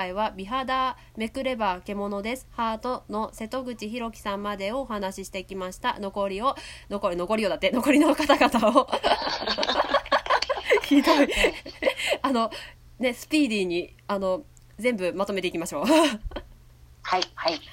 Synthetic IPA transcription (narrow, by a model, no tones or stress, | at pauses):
aiβabʲiɦad̪a | me̞kɯ̟ɾe̞baːke̞mo̞no̞d̪e̞sɨ̥haːt̪o̞no̞se̞t̪o̞ɡɯ̟t͡ɕiçiɾo̞kʲi̥sãmːad̪e̞o̞ːhanaɕiɕi̥t̪e̞ikʲimaɕi̥t̪a̰no̞ko̞ɾʲio̞no̞koɾino̞ko̞ɾʲijo̞ːd̪at̪ːeno̞ko̞ɾʲinokat̪aɡat̪ao | çid̪o̞i | ano̞ | ne̞sɨ̥pʲiːd̪ʲiːɲ̟i | ano̞ | zẽ̞mbɯ̟mat̪o̞me̞t̪eikʲimaɕo̞ː | haihai